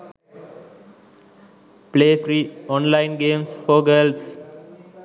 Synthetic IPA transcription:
pleːfɾiːɔ̃nlãɪ̃nɡẽːmsfɔːɡels

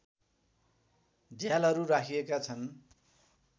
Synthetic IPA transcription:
d͡zjalʌɾuɾakʰijekat͡sʰʌn

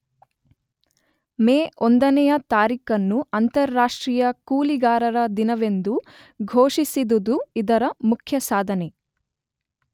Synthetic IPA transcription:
meːʔond̪ɐnɛjɐt̪aːɾiːkɐnːuɐnt̪ɐɾːaːʂʈɾiːjɐkuːliɡaːɾɐɾɐd̪inɐʋe̞nd̪u | ɡʱoːʂisid̪ud̪uid̪ɐɾɐmukʰjɐsaːd̪ʱɐne

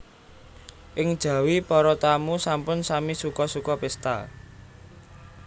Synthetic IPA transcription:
ʔɪŋd̥ʒ̥ä̤wipɔɾɔt̪amusampʊnsamisukɔsukɔpɪst̪a̰

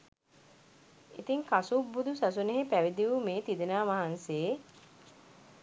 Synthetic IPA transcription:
it̪iŋkasubːud̪usas̬uneɦepæʋid̪iʋumeːt̪id̪enaːʋaɦanseː

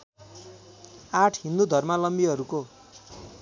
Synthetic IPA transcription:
aʈʰɦind̪ud̪ʱʌrmalʌmbiɦʌɾuko

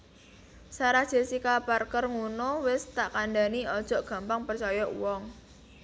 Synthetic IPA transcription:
saɾad̥ʒ̥e̤sikaparkərŋunowɪst̪aʔkanɖa̤niɔd̥ʒ̥ɔ̤ʔɡ̥a̤mpaŋpərt͡ʃɔjɔʔwɔŋ

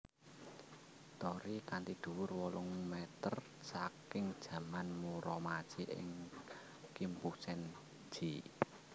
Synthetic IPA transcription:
t̪ɔɾikant̪id̪̥ṳwʊrwɔlʊŋmɛt̪ər | sakɪŋd̥ʒ̥ä̤manmuɾɔmad̥ʒ̥iʔɪ̰ŋ | kimpu̥sɛn | d͡ʒ̥i

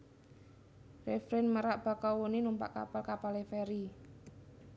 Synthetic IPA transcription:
refɾɛnməɾaʔb̥a̤kɔwoninumpa̰ʔka̰palkapalefeɾi

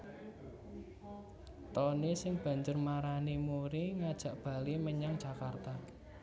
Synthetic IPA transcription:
t̪ɔnesɪŋb̥a̤ɲd͡ʒʊrmaɾanimuɾiŋad̥ʒ̥ä̤ʔb̥a̤liməɲaŋd̥ʒ̥a̤kart̪a

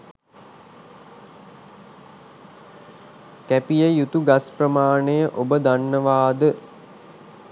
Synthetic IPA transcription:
kæpijəjut̪uɡasprəmaːɳəjəʔobəd̪anːəʋaːd̪ə

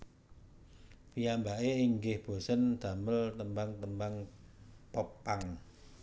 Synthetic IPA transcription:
pijambaʔeiŋɡɪhb̥o̤sənd̪̥a̤məlt̪əmbaŋt̪əmbaŋpɔpːaŋ

